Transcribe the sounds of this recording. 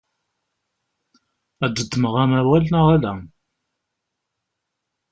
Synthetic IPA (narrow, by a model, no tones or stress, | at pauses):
æd̪əd̪əməʁæmæwælnaʁælæ